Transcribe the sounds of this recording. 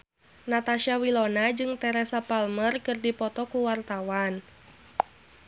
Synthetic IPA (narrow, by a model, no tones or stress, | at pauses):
nat̪aʃawilɔnad͡ʒɨŋt̪ɛɾɛsapalmərkɨrdipɔt̪ɔkuwart̪awan